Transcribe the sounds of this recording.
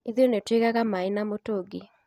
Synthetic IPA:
iðjonetweɣaɣamainamotoɡi

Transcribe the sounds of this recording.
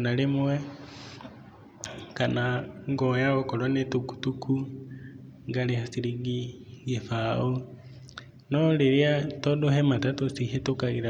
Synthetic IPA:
nalemwɛ | kanaŋɡɔjaɣɔkɔlwanetuku̥tukʰu | ŋɡalehasiɾiɡiɡefao | nɔleɾiatɔdohɛmatatosiɦetokaɣiɾa

